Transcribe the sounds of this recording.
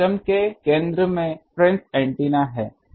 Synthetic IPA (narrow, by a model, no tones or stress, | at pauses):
əmkekẽːnd̪ɾəmẽpɾɛ̃ːnsɛ̃ːɳʈiːnaɦɛː